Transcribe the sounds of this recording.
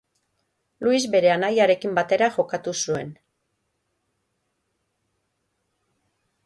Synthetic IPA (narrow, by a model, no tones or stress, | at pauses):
luizbe̞ɾe̞anajaɾe̞kimbat̪e̞ɾaʝo̞kat̪usue̞n